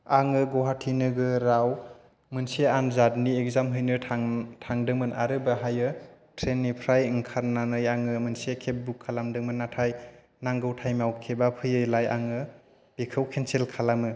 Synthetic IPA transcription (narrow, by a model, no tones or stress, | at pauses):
aŋɯɡɔɦatʰinɯɡɯɾaw | mɯnseanzadniek̚zamɦɯjnɯaŋtʰaŋdɯŋmɯnʔa̰ɾɯbaɦajɯ | tʰɾenːipʰɾajŋkʰaɾnanɯjaŋɯmɯnsekʰep̚bukʰːalamdɯŋmɯnːatʰaj | naŋɡɯwtʰajmawkʰebapʰɯjɯjlaja̰ŋɯ | b̥ekʰɯwkʰenselkʰalamɯ